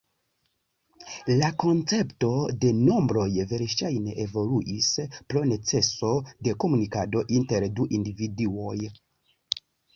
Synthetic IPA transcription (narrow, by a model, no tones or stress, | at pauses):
lako̞nt͡se̞pto̞de̞no̞mbɾo̞jve̞ɾʃajne̞ʔevo̞luʔispɾo̞ne̞t͡se̞so̞de̞ko̞munikado̞ʔinte̞ɾduʔindividio̞j